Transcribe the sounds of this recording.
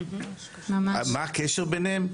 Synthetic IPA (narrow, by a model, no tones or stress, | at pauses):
mamaamaːkeʃeʁbenhem